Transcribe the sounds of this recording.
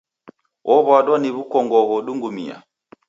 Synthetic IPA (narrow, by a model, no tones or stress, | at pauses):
wʔɔβwaɗwaniβukɔŋɡɔɣɔɗuŋɡumḭa̰